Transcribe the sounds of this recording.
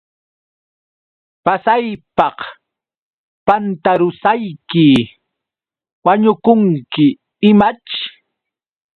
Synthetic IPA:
pasajpɑq | pant̪aɾʊsajkɪ | waɲʊkʊŋkɪ | ɪmat͡ʃ

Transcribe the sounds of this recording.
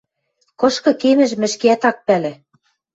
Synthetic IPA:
kɤ̆ʃkɤ̆kemɘ̆ʒmɘ̆ʃkeæt̪ɑk̚pælĕ

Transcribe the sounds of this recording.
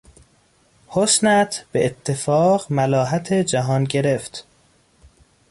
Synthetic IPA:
hosnæt̪ʰb̥eʔet̪ʰːe̞fɒːɢmælɒːɦæt̪ʰed͡ʒæɦɒːnɟe̞ɾe̞ft̪

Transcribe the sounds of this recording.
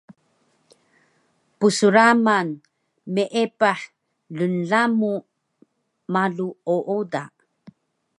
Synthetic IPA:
pusuɾaman | meʔepaħ | ɮunɮamu | maɮuoʔoda

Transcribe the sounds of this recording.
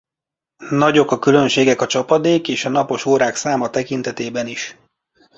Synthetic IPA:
nɒɟo̞kɒkylø̞nʃeːɡɛkɒt͡ʃɒpɒd̪eːkeːʃɒnɒpo̞ʃoːɾaːksaːmɒt̪ɛkint̪ɛt̪eːbɛniʃ

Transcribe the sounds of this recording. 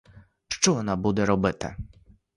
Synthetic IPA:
ʂt͡ʂuwɔnabud̪ɛɾɔbɘt̪ɛ̰

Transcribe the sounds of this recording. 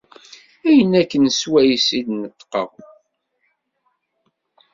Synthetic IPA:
æjənækːənswæjəsid̪nət̪ːqə̰ʁ

